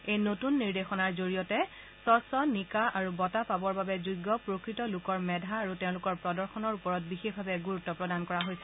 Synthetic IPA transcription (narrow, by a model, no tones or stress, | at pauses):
ejnotunːiɹdexɔnaɹzoɹijɔtɛ | sɔsɔnikaaɹubɔtapabɔɹbabɛzujɡːɔpɹokɹitɔlʊkɔɹmɛdʱaːɹutɛʊ̃lʊkɔɹpɹɔdɔɹxɔnɔɹupɔɹɔt̚bixexbʱabɛɡuɹutːɔpɹɔdankɔɹaɦojsʰɛ